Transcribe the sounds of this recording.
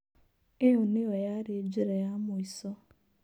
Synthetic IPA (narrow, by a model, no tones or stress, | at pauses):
eunɪjɔjaɾed͡ʒiɾejamʊisɔ